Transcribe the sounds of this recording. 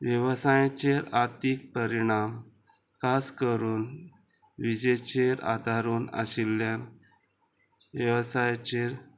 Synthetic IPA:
ʋjəʋsajãt͡ɕeɾaɾt̪iːk̚pəɾiɽ̃am | kaskəɾuːn | ʋid͡ʑet͡ɕeɾa̰d̪ʱaɾuːnə̰silːjan | ʋjəʋsajt͡ɕeɾ

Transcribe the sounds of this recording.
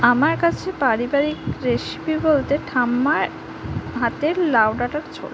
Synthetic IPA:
amaɾkat͡ɕʰepaɾibaɾikɾeʃbibolt̪eʈʰamːaɾ | ɦat̪eɾlawɖaʈaɾt͡ɕʰo̰l

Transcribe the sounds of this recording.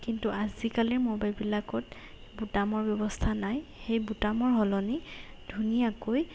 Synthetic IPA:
kintuazikaliɹmobajlbilakɔt̚ | butamɔɹbjɔbɔstʰanajxejbutamɔɹɦɔlɔni | dʱunijakoj

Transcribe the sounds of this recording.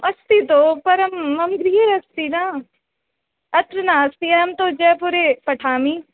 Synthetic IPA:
ɐst̪it̪oːpɐɾɐmɐmɡɾiːeɾɐst̪inaː | ɐt̪ɾənaːɐst̪iɛɐmt̪od͡ʒɛpuːɾepɐʈʰaːmiː

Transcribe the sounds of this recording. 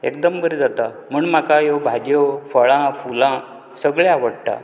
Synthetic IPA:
ḛk̚d̪əmbəɾid͡zat̪a | m̤əɳmakajobʱad͡ʑjofəɭãfulã | səɡɭeaʋəɽʈ̪a̰

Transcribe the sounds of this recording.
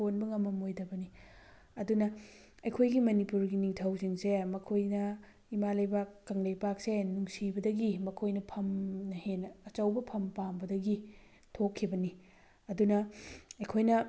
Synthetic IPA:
onbɐŋɐmːɐmojdɐbɐni | ɐdunɐ | ɐjkʰojɡimɐnipuɾɡiniŋtʰɐwsiŋsemɐkʰojnɐ | imalɐjbakːɐŋlɐjbak̚senuŋsibɐdɐɡimɐkʰojnɐpʰɐmnɐhenːɐːt͡ʃɐwbɐpʰɐmpambɐdɐɡi | tʰokʰːibɐni | ɐdunɐɐjkʰojnɐ

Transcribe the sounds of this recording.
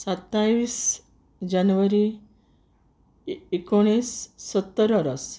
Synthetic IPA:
sat̪ːajʋiːs | d͡ʑanʋəɾi | ekoɽ̃iːsːət̪ːəɾəɾəs

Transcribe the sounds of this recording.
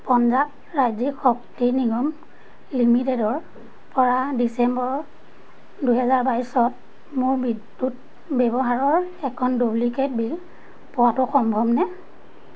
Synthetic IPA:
pɔnzak | ɹajzikxɔk̚tiniɡɔm | limitedɔɹ | pɔɹadisɛmbɔɹ | duɦɛzaɹbaisɔt̚ | mʊɹbid | ut̚ | bɛbɔɦaɹɔɹɛkʰɔndubliket̚bil | pɔwatʊxɔmbʱɔbnɛ

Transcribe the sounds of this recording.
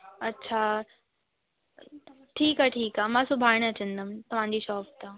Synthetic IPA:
ɐtːɕʰa | ʈʰiːkaʈʰiːkaːmãːsʊbʱaːɪɽ̃ɐt͡ɕə̃nd̪əmt̪ɐʋ̤ãːɲ̆d͡ʑiʃɔːpt̪a

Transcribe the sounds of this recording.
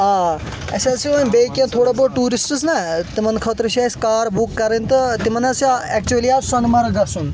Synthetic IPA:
aː | ɐ̰sʲasiobeːkjãːt̪ʰoːɽaboːʈuːɾisʈsnɐt̪imɐnkʰɔt̪ɾʃaːskaːɾbukːɐɾɐnt̪ɐt̪imɐnɐsaɛk̚t͡ʃuɐliaːsɐnmɐɾɡɐsun

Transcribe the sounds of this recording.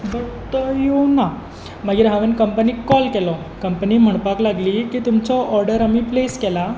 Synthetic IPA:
bəɽt̪ɔjona | məɡiːɾɦaʋenkəmpəniːkɔlkelɔ | kəmpəniːm̤əɳ̃paklaɡliːkiːt̪umt͡sɔʔːɾɖəɾamiːpleskɛla

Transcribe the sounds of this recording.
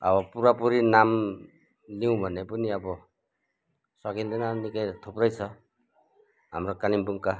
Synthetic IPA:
ʌ̰bʌpuɾapuɾinam | liw̃bʱʌnepuniʌbɔ | swaɡind̪enanikajt̪ʰopɾʌjt͡sʰʌ | ɦamɾɔkalimbuŋka

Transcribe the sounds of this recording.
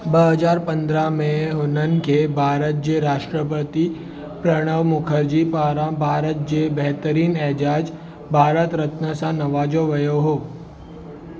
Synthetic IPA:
bəɦəd͡ʒaːɾpə̃nd̪ɾamẽɦʊnənkebʱaːɾət̪̚d͡ʒeɾaːʃʈɾəpət̪i | pɾəɽ̃əʋmʊkʰəɾd͡ʒipaːɾãbʱaːɾət̪̚d͡ʒebɛɦt̪əɾiːnɛɦd͡ʒaːd͡ʒ | bʱaːɾət̪ɾət̪nəsãnɐʋaːd͡ʒoʋɐjoɦoː

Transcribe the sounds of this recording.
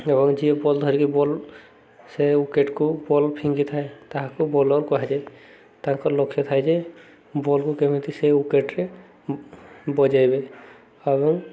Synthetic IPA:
ebɔŋd͡ʒiebɔld̪ʱɔɾikibɔl | seukeʈkubɔlpʰĩŋɡit̪ʰaet̪aɦãkubɔlɔɾkɔɦɛd͡ʒa | t̪aãkɔɾlɔkʰet̪ʰajd͡ʒɛ | bɔlkukemit̪iseukeʈɾe | bɔd͡ʒajbe | ebɔŋ

